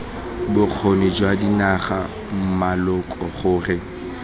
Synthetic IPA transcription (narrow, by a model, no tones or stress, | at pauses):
bʊk͡xʰonɪd͡ʒwadinaχa | m̩malʊkʼɔχʊːrɪ